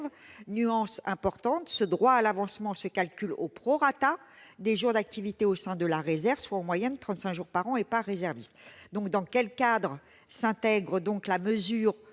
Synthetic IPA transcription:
vnyɑ̃sɛ̃pɔʁt̪ɑ̃t̪səd̪ʁwaːlavɑ̃smɑ̃səkalkʲylopχɔʁat̪ad̪eʒuʁd̪ak̚t̪ivit̪eosɛ̃d̪əlaʁezɛʁvswaɑ̃mwajɛnt̪χɑ̃t̪sɛ̃kʒuʁpaʁɑ̃epaʁːezɛʁvist̪d̪ɔ̃k̚d̪ɑ̃kʲɛlkad̪ʁə | sɛ̃t̪ɛɡʁəd̪ɔ̃klaməzyːʁ

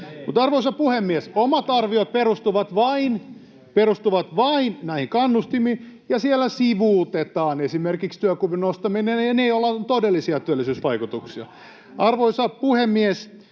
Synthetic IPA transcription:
mut̪ɑrʋoisɑpuhemːiesomɑt̪ɑrʋiot̪̚perust̪uʋɑt̪ʋɑin | perust̪uʋɑt̪ʋɑinnæihiŋkɑnːust̪imiːjɑsielːæsiʋuˑt̪et̪ɑːnesimerkikst̪yøkuʋinost̪ɑminenɑneiolːɑt̪odelːisiɑt̪yølːˑisyːsʋɑikut̪uksiɑ̰ | ɑrʋoisɑpuhemːies

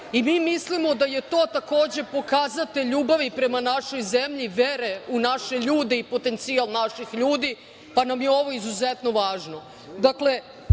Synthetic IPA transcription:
imiːmislimo̞d̪ajet̪o̞ːt̪ako̞ːd͡ʑe̞po̞kaːzat̪eʎuːbaʋipɾe̞manaʃo̞jzemʎiʋeɾe̞unaʃe̞ʎuːd̪e̞ipo̞t̪ent̪sialˠnaʃixʎuːd̪i | panamjeo̞ʋo̞izuzet̪no̞ʋaːʒno̞ | d̪akle̞

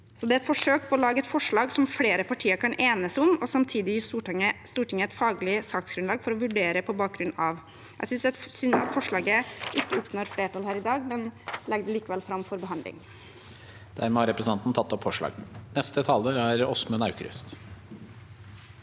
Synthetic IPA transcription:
sɔd̪ɛæɛt̪fɔʂøːk̚pʰɔɔlɑːɡəɛt̪fɔʂɭɑːɡsɔmfleːɾəpʰɑʈʰiːəɾkʰɑnʔeːnəsʊmɔsɑmt̪ʰiːd̪ɪɪst̪uːʈəst̪uːʈɪŋːəɛɪt̪fɑːɡlɪsɑːksɡ̥ɾʉnlɑːɡfɔɾɔʋʉɖeːɾəpʰɔbɑːk̚ɡɾʉnɑʋ | jʔæ̰sʏnsɛsʏnsɑ̰t̪fɔʂɭɑːɡəʔɪkːəʊpnoɾfleːʈɑːlhæːɾɪd̪ɑːɡmɛnlɛɡd̪əliːkəʋɛlfɾɑmfɔɾbəɦɑnd̪lɪ̰ŋ | d̪̥æ̰ɾmɛhɑɾɛpɾsn̩ʰɑnt̪nt̪ʰɑt̪ːɔpfɔʂɭɑ̰ːɡnɛst̪ət̪ʰɑləɾæɾɔsmʉnɑʉkɾʏ̰st̪

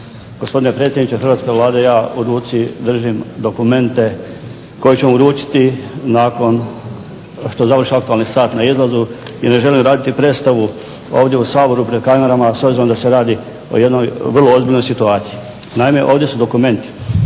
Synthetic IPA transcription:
ɡ̥o̞spo̞d̪ine̞pɾe̞ːt̪sʲjenit͡ʃexɾ̩ʋat̪ke̞ʋlˠaːd̪e̞jaːuɾuːt̪sid̪r̩ʒimd̪o̞kume̞nt̪e̞ | ko̞jet͡ɕemouɾuːt͡ʃi̥t̪inaːko̞n | ʃt̪ozaʋər̩ʃiak̚t̪ualˠnisaːt̪naizlˠazuine̞ʒe̞limɾaːd̪it̪ipɾe̞ːst̪aʋu | o̞̰ːʋd̪je̞usaːbo̞ɾupɾed̪̚kameɾamasobziɾomd̪ase̞ɾaːd̪i | o̞̰je̞d̪no̞jʋr̩lˠoozbiʎnojsit̪uaːt̪sii | naime̞ʔo̞ːʋd̪je̞sud̪o̞kume̞nt̪i̥

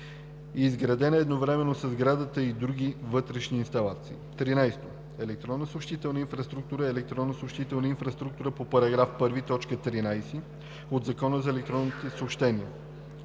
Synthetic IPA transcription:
zɡɾɐd̪ɛnəɛd̪novɾɛmɛnːosɐzɡɾad̪ət̪əid̪ɾuɡ̟ivɤt̪ɾɛʃniːnst̪ɐlˠat̪siːt̪ɾinajst̪o | ɛlɛk̚t̪ɾɔnːəsopʃt̪it̪ɛlˠnəinfɾɐst̪ɾuk̚t̪uɾəɛlɛk̚t̪ɾɔnːəsopʃt̪it̪ɛlˠnəinfɾɐst̪ɾuk̚t̪uɾəpopɐɾɐɡɾafpɤɾvit̪ɔt͡ʃkət̪ɾinajsi | od̪zɐkɔnəzɐɛlɛk̚t̪ɾɔnːit̪ɛsoːpʃt̪ɛniə

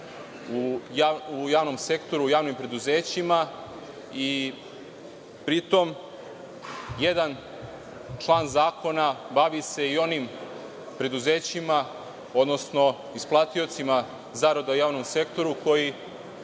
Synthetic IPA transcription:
ujaujaːʋno̞mse̞kt̪o̞ɾuːjaːʋnimpɾe̞d̪uze̞ːt͡ɕima | i | pɾit̪o̞m | jed̪an | t͡ʃlˠaːnzaːko̞nabaʋise̞io̞nim | pɾe̞d̪uze̞ːt͡ɕima | o̞d̪no̞sno̞ | isplˠat̪io̞t̪sima | zaːɾod̪aujaːʋno̞mse̞kt̪o̞ɾuko̞ji

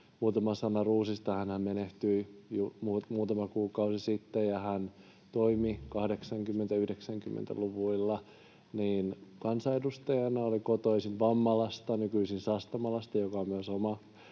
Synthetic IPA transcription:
muːt̪ɑmɑsɑnɑruːsist̪ɑhænhæmmeneht̪yijumumuːt̪ɑmɑkuːkɑusisit̪ːejjɑhæn | t̪oimikɑhdeksɑŋkymːent̪æyhdeksæŋkymːḛnt̪æ̰luʋuilːɑ | niːnkɑnsɑedust̪ɑjɑnɑolikot̪oisint̪ʋɑmːɑlɑst̪ɑnykyisinsɑst̪ɑmɑlɑst̪ɑjokɑommyøsomɑ

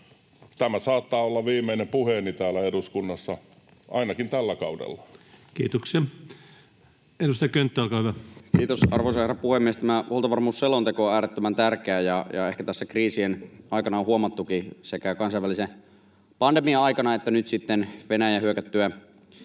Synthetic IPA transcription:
t̪æmæsɑːt̪ːɑːolːɑʋiːmːeinempuhenit̪æːlæeduskunːɑsːɑ | ʔɑinɑkint̪ælːækɑudḛlːɑ̥kiːt̪oksiɑ | edust̪ɑjɑkønt̪ːøɑlkɑˑːhyʋækiːt̪osɑrʋoisɑherɑpuhemːiest̪æmæʔolt̪ɑʋɑrmuːsːelont̪ekoæːɾet̪ːømænt̪ærkeæjɑjɑ̰ehkæt̪æsːækriːsienɑˑikɑnɑõhuomɑt̪ːukisekækɑnsɑˑiʋælise | pɑndemiɑɑikɑnɑet̪ːænyt̪sit̪ːenʋenæjæhyøkæt̪ːyæ

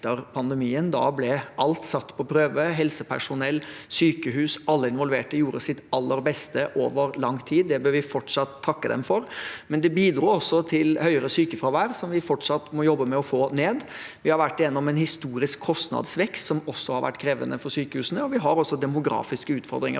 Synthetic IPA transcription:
əɾpʰɑnd̪ɛmiːənd̪ɑ̰blɛʔɑlt̪sɑt̪ːpʰɔpʰɾøːʋəɦɛlsəpʰæ̰ʂʊnɛlːsyːkəɦʉːsɑlːəɪnʋɔlʋeːʈəjuːɾəsɪt̪ɑlːəɾbɛst̪əʔoːʋəɾlɑŋːt̪ʰiːd̪ːɛbøːɾʋɪfɔʈʂɑt̪ʰːɑkːəd̪ɛ̰mfɔɾmɛnd̪ɛbiːd̪ɾuːɔsːɔt̪ʰɪlhœʏəɾəsyːkəfɾɑʋæːɾsɔmʋɪfɔʈʂɑt̪ːmɔjɔbːəmɛɔfoːneːd̪ʋɪhɑɾʋæʈːɪjɛnːɔmɛnhɪst̪uːɾɪskʰːɔst̪nɑ̰d̪sʋɛkst̪sɔmɔsːɔhɑɾʋæ̰ʈːkʰɾeːʋə̰nəfɔɾsyːkəhʉːsnəɔʋɪɦɑɾɔsːɔd̪ɛmʊɡɾɑ̰ːfɪskəʉːt̪fɔ̰ɾd̪ɾɪ̰ŋə̰

